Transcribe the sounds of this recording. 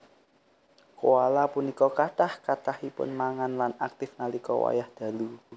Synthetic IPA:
kowalapunikɔkaʈahkatahipʊ̰nmaŋanlanak̚t̪ɪfnalikɔ̰wa̰jahd̪̥ä̤lu

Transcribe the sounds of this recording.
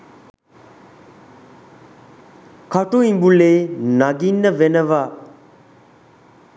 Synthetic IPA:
kʰaʈoĩmbulenaɡinːəʋenəʋa

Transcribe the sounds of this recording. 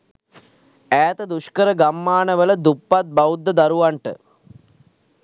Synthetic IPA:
æːt̪əd̪uʃkəɾəɡamːaːnəʋələd̪upːat̪̚baud̪ːəd̪aɾuʋaɳʈə̰

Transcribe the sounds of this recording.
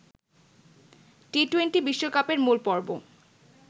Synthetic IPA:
ʈiʈwenʈibiʃːokapeɹmulpɔɹbo̰

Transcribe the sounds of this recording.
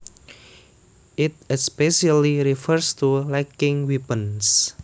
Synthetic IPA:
ʔɪt̪̚ɛspɛʃaliɾifəɾst̪ulakɪŋwipəns

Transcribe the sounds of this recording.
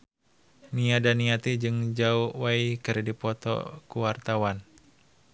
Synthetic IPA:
niadaniat̪id͡ʒɨŋd͡ʒauwaikɨɾdipɔt̪ɔ̰kuwart̪awan

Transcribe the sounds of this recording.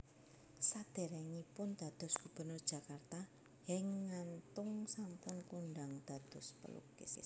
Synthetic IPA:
sad̪̥e̤ɾɛŋipʊnd̪̥ä̤d̪̥ɔ̤sɡ̥ub̥ə̤nʊrd̥ʒ̥ä̤kart̪a | hɛŋːant̪ʊŋsampʊnkunɖaŋd̪̥a̤d̪̥ɔ̤spə̰lṵkɪ̰s

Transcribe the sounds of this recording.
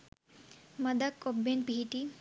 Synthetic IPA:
mɐd̪akobːenpiʈi

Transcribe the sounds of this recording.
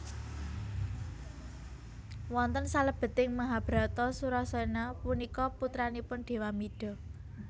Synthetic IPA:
wɔnt̪ənsaləb̥ə̤t̪ɪŋmaɦab̥ɾa̤t̪ɔsuɾɔsɔinapunikɔput̪ɾanipʊnɖ̪̥e̤wamiɖ̥ɔ̤

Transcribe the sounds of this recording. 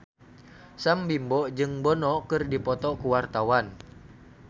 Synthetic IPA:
sambimbɔʔd͡ʒɨŋbɔnɔkɨrdipɔt̪ɔkuwart̪awan

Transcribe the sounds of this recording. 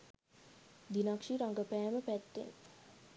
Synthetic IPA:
d̪inakʂiɾaŋɡəpæːməpæʈːḛn

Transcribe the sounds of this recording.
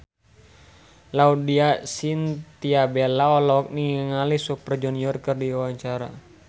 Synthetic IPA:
laudiasint̪iabelaɔlɔk̚niŋəŋalisupərd͡ʒɔniɔrkərdiwawaɲt͡ʃaɾa̰

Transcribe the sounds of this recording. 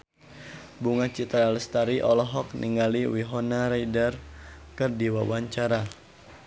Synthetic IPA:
buŋat͡ʃit̪ɾaləst̪aɾiʔɔlɔɦɔk̚niŋɡaliwiɦɔnaɾajdərkɨrdiwawaɲt͡ʃaɾa

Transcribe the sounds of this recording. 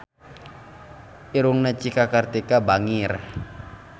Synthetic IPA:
iɾuŋnat͡ʃikakart̪ikabaŋir

